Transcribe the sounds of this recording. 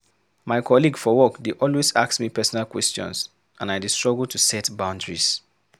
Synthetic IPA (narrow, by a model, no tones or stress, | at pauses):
maɪkʰɔliɡfɔwɔkdeʔɔlweza̰ksmipɛsɔnalkwɛstɔ̰̃ns | ʔãnajdəstɹ̥ɔɡəltʰusɛtbãʊ̃ndɹis